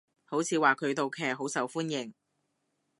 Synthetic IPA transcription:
ho˨˥wt͡sʰiː˨˧waː˨kʰɵ˨˧ɥt̪o˨wkʰɛː˨˩k̚ɦo˨˥wsɐ˨˧wfuː˥njɪ˨ŋ

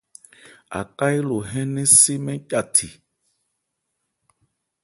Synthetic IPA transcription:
a̰˨ka˦i˦lo˨ɦɛ̃˦nɛ̃˦si˦mɛ̃˦ca˦˨tʰi˨

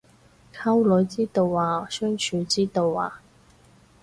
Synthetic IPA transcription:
kʰɐ˥wlɵ˨˧˥ɥt͡siː˥t̪o˧wːaː˨sœː˥ŋt͡ʃʰyː˨˧t͡siː˥t̪o˨˧wa̰ː˨

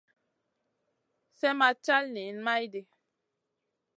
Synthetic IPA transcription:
sɛ˦ma˦t͡ʃa˦lne˨˦nma˦jde˨

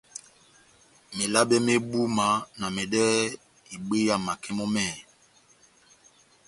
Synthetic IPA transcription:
me˨la˦bɛ˦me˦ɓu˦ma˨˦na˨mɛ˨dɛ˦ | i˨ɓe˦ja˦˨ma˨kʰɛ˦mɔ˦mɛː˦˨

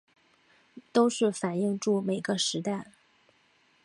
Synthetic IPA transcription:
t̪o˥ʊʂɻ̩˥˩fa˨˩ni˥˧ŋʈ͡ʂu˥˩me˨˩ɪɡə˦ʂɻ̩˧˥t̪a˥˩ɪ

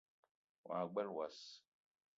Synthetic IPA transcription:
wã̰ː˨ɡ͡bɛ˦lwa˨s

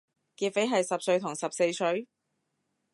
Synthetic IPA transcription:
kiː˧t̚fe˨˥jɦɐ˨jsɐ˨p̚sɵ˧ɥt̪ʰʊ˨˩ŋsɐ˨p̚se˧jsɵ˨˥ɥ

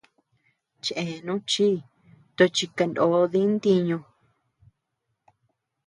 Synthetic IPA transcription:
t͡ʃʔe˨nũ˦t͡ʃi˦ | t̪o˧t͡ʃi˧ka˧ndo˨˦ði˦nd̪i˧ɲõ˧

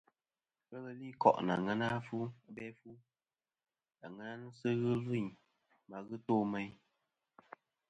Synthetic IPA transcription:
kə˦ɣə˦li˦kɔ̰˨ʔna̰˨ŋɛ˦na˦fu˦bɛ˦fu˦ | a˨ŋə˦na˦nɨ˦sɨ˦ɣɨ˦vɨ˦˨ɲ | ma˨ɣɨ˦toː˦˨mɛ˦j

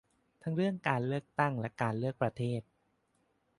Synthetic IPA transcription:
t̪ʰa˦˥ŋɾɯ˥˩əŋkaː˧nlɯ˥˩ək̚t̪a˥˩ŋlɛ˦˥kaː˧nlɯ˥˩ək̚pɾa˧t̪ʰeː˥˩t̪̚

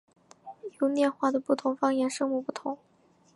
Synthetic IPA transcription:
jo˧˥ʊnjɛ˥˧nxwa˥˩d̪ə˩pu˥˩t̪ʰʊ˧˥ŋfɑ˥ŋjɛ˥˩nʂɤ˥ŋmu˥˧pu˥˩t̪ʰʊ˧˥˦ŋ

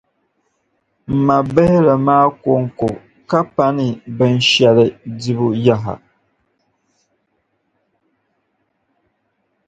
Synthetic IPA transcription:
m̩˨ma˨bɛ˦hɪ˦la˨maː˦ko˦ŋ˦ko˨ | ka˦pa˦nɪ˨bɨ˦n˦ʃɛ˨lɪ˦di˦βʊ˦ja˦ɦa̰˨

